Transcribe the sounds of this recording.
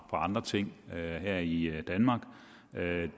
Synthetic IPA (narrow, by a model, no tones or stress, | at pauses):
fʰɒɑ̈nd̥ʁɐt͡sʰe̝ŋ̰ɦæɐ̰id̥ænmɑ̈ːɡ̥ | ø